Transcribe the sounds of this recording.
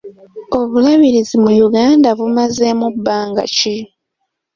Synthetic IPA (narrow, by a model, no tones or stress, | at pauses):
o̞βulaβiɾizimujuɡaːndaβumaze̞mubːaːŋɡa̰ci